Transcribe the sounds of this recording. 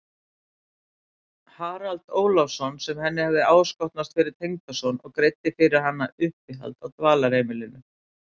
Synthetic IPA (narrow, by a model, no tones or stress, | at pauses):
haːɾalt̪oːwlɔfsɔnsɛmhɛnːɪhavðɪaːwskɔht̪nast̪fɪɾɪɾ̥t̪ʰejŋt̪asɔnɔɣkɾejt̪ːɪfɪɾɪɾ̥hanːaʏhpɪɦa̰lt̪awt̪vaːlaɾejmɪlɪnʏ